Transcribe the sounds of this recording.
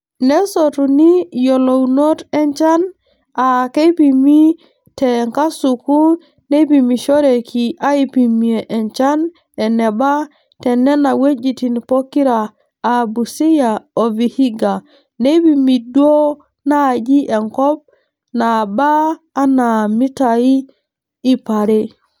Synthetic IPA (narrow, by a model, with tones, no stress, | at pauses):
ne˦sotu˨ni˦jo˨lo˨wno˦te˦ɲt͡ʃa˦n | a˨ke˦pi˨mi˦ | te˨ŋka˦su˨ku˦ | ne˦bi˨mi˨ʃo˦ɾe˨kʰi˨a˦i˦˨pi˨mi˨e˨ʔe˨ɲt͡ʃa˦n | e˨ne˨ba˦ | tɛ˨nːɛ˦na˨we˦d͡ʒitinpo˦kːi˦ɾaː | bu˨si˦jaovi˨hi˦ɡa˨ | nebimi˨du˦o˦ | nad͡ʒi˦ʔe˨ŋkɔ˦b̚ | nabaː˦nami˦tajiː˦ | paɾe